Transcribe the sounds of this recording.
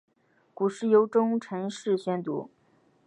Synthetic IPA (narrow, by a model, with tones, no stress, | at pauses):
ku˨˩ʂɻ̩˥˩jo˧˥ʊʈ͡ʂʊ˥ŋʈ͡ʂʰə˧˥nʂɻ̩˥˩ɕɥɛ˥nt̪ṵ˧˥